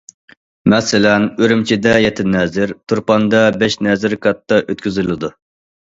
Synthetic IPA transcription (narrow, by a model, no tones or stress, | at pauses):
mɛsɪlɛnøɾymt͡ʃʰid̪ɛjɛt̪ʰɪnɛːzɪɾt̪ʰuɾpɑnd̪ɑbɛʃnɛzɪɾkʰɑt̪ːɑʔøt̪̚kʲyzylɪd̪u